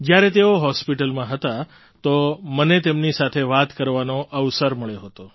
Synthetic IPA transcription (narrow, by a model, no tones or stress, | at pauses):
d͡ʒjaɾet̪eoɦɔspiʈəlmãɦət̪a | t̪omənet̪emnisat̪ʰeʋat̪kəɾʋanoʔəʋsəɾməɭeɦət̪o